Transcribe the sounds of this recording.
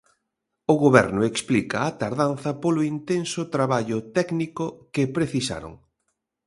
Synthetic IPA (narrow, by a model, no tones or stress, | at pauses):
ʊɣoβɛ̰ɾnʊeksplikɐːt̪aɾðanθɐpolʊint̪ensʊt̪ɾaβaʎʊt̪ɛknikʊkɪpɾeθisa̰ɾo̰ŋ